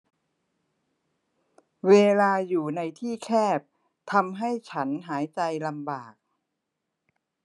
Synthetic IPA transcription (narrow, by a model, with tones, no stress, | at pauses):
weː˧laː˧juː˨˩na˧jt̪ʰiː˥˩kʰɛː˥˩p̚ | t̪ʰa˧mɦa˥˩jt͡ɕʰa˦˥nɦaː˩˦jt͡ɕa˧jla˧mbaː˨˩k̚